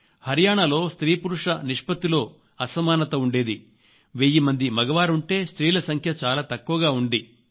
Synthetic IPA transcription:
hɐɾjaːɳɐlo̞ːst̪ɾiːpuɾuʂɐniʂpɐt̪ilo̞ː | ɐsɐmaːnɐt̪ɐuɳɖe̞ːd̪i | ʋeːjimɐnd̪imɐɡɐʋaːɾuɳʈe̞ːst̪ɾiːlɐsɐŋkʰjɐt͡ʃaːlaːt̪ɐkːuʋɐɡaːuɳɖi

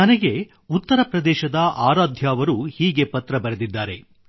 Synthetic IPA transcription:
nɐnɐɡe̞ | ut̪ːɐɾɐpɾɐd̪ɛːʃɐd̪ɐʔaːɾaːd̪ʱjaːʋɐɾuhiːɡe̞pɐt̪ɾɐbɐɾed̪id̪ːaːɾe̞

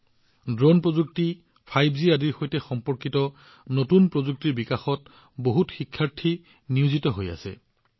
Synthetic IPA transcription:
dɹonpɹozuk̚ti | pʰajbziadiɹxojtɛxɔmpɔɹkitɔ | notunpɹozuk̚tiɹbikaxɔt | boɦutxikʰːaɹtʰi | niuzitɔɦoja̰sɛ̰

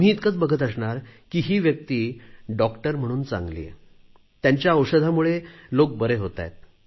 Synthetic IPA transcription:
miːt̪kət͡sbəɡʱət̪əsɳaɾkiːɦiːʋjək̚t̪iːɖɔkʈəɾm̤əɽ̃uːnt͡sa̰ŋɡlḭ | jaɲt͡ɕjaəwʂəd̪ʱamuɭelok̚bəɾeɦot̪a̰jt̪̚

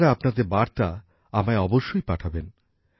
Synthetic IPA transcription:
ɾaapnad̪eɾbaɾt̪a | amaeɔboʃːojpaʈʰaben

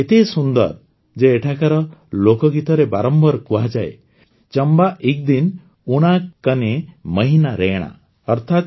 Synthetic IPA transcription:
et̪esund̪ɔ̰ɾ | d͡ʒeːʈʰakaɾɔlokɔɡit̪ɔɾebaɾɔmbɔɾkuad͡ʒae | t͡ʃɔmbaʔik̚d̪in | uɽ̃akkːaneməɦinaɾeɽ̃a̰ | ɔɾt̪ʰat̪

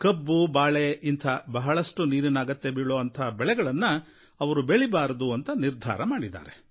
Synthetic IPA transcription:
kɐbːubaːɭeʔint̪ʰɐbɐɦɐɭɐʂʈuniːɾinaːɡɐt̪ːe̞biɭoːɐnt̪ʰɐːbɛɭɛɡɐɭɐnːɐ | ɐʋɐɾubeɭibaːɾɐd̪uɐnt̪ɐniɾd̪ʱa̰ːɾɐmaːɽid̪a̰ːɾe

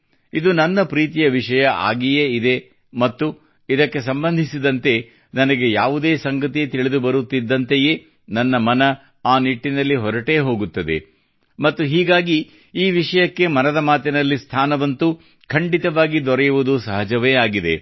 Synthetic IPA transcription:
id̪unɐnːɐpɾiːt̪̬ijɐʋiʂɐjɐʔa̰ːɡijeːid̪e̞ | mɐt̪ːu | id̪ɐkːe̞sɐmbɐnd̪ʱisid̪ɐnt̪e̞ | nɐnɐɡe̞jaːʋud̪e̞ːsɐŋɡɐt̪ijɐt̪iɭid̪ubɐɾut̪ːid̪ːɐnt̪ejeː | nɐnːɐmɐnɐ | aːniʈːinɐlːiɦɔɾɐʈe̞ːɦo̞ːɡut̪ːɐd̪ḛ | mɐt̪ːuɦiːɡaːɡi | iːʋiʂɐjɐkːe̞mɐnɐd̪ɐmaːt̪inɐlːist̪ʰaːnɐʋɐnt̪u | kʰɐɳɖit̪ɐʋaːɡid̪ɔɾɛjuʋud̪usɐɦɐd͡ʒɐʋeːaːɡid̪e̞̰

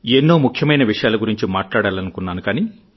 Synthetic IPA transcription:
enːo̞ːmukʰjɐmɐjnɐʋiʂɐjaːlɐɡuɾiɲt͡ʃimaːʈlaːɽaːlɐnukunːaːnukaːniː

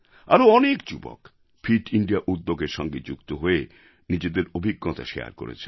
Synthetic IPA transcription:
aɾoɔnekd͡ʑubɔ̰k | fʰiʈiɳɖiaʔud̪ːoɡeɾʃɔŋɡed͡ʑukt̪oɦoe | nid͡ʑed̪eɾobʱiɡːot̪a̰ʃea̰ɾko̰ɾḛt͡ɕʰen

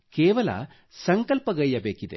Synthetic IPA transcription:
keːʋɐlɐ̰ | sɐŋkɐlpɐɡɐɭijɐbeːkid̪ḛ

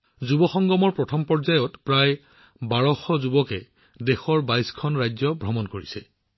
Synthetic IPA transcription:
zubɔxɔŋɡɔmɔɹpɹɔtʰɔmpɔɹzajɔtpɹaj | baɹɔxɔzubɔkɛ | dexɔɹbajskʰɔnɹajzɔbʱɹɔmɔnkoɹisɛ

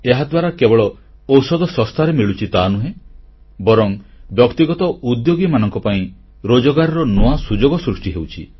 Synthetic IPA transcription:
eɦad̪waɾakebɔɭɔ | ɔwsɔd̪ɔsɔst̪ʰaɾemiɭut͡ʃʰit̪anuɦẽ | bɔɾɔŋbjɔkt̪iɡɔt̪ɔud̪joɡimanɔŋkɔpaĩ | ɾod͡ʒɔɡaɾɔɾɔnoasud͡ʒoɡɔsɾusʈiɦewt͡ʃʰḭ

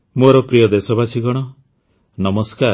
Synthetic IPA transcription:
moɾɔpɾijɔd̪esɔbat͡ʃʰiɡɔɽ̃ɔ | nɔmɔskaɾ

